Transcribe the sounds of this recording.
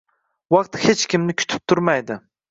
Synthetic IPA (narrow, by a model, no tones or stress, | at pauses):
wɑqt̪het͡ʃkʲɪmnɪkʲʰʊ̥t̪ʰɪ̥p̚t̪ʰʊɾmajd̪ɪ